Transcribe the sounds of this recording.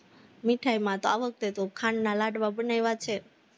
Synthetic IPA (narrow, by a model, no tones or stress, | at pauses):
miʈʰajmãt̪oaʋək̚t̪et̪okʰannalaɖʋabənajʋat͡ʃʰe